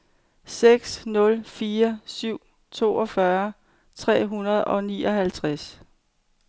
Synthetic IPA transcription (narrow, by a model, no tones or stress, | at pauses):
seɡ̥snɔ̽lfiːɐsyʊ̰ | t͡sʰo̝̰ːɒ̽fɶɐ | t͡sʰʁɛ̰ːɦunɐð̞ˠɒ̽nḭːʔɒ̽ɦælt͡sʰʁas